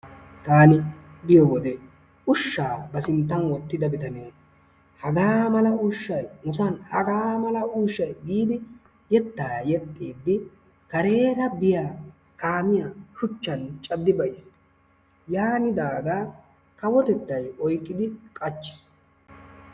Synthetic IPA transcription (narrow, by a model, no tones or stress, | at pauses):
t̪aːnɪ | bɪjɔwɔd̪ɛ | ʔʊʃːaːbɐsɪnt̪ːɐnwɔt̪ːɪd̪ɐbɪt̪ɐneː | hɐɡaːmɐlɐʊʃːɐjmʊsɐnhɐɡaːmɐlɐuːʃːɐjɡiːd̪ɪ | jɛt̪ːaːjɛt̪ʼːiːd̪ːɪ | kɐɾe̞ːɾɐbɪjaː | kaːmɪjaʃʊt͡ʃːɐnt͡ʃʼɐd̪ːɪbɐjs | jaːnɪd̪aːɡaː | kɐwɔt̪ɛt̪ːɐjɔjkʼːɪd̪ɪkʼɐt͡ʃːɪ̥s